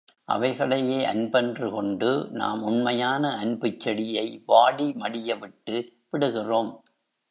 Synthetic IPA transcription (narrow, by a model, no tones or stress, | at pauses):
ʔɐ̰ʋɐɪɣɐɭɐjeːʔɐ̰nbɛndrɯkɔɳɖɯna̰ːmʊnmɐjaːnɐɐnbɯt͡ʃːɐɽɪjɐɪʋaːɽimɐɽɪjɐʋɪʈːɯʋɪɽɯɣɪroːm